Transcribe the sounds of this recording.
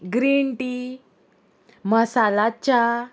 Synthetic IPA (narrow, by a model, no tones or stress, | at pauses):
ɡɾiɳʈi | məsalat͡ɕa